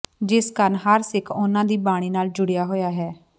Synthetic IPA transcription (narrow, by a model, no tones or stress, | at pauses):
d͡ʒɪskəɾnɦəɾsɪkʰʊnãːd̪iːbaːɽ̃iːnaːld͡ʒʊɽɪjaːɦoːjaːɦɛː